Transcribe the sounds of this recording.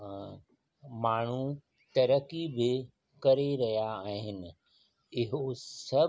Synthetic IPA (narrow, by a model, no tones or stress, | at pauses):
maːɳ̤u | t̪ɐɾəkibɪ | kɐɾeɾɐɦijaaːɦɪnɪ̆ | ɪɦosɐ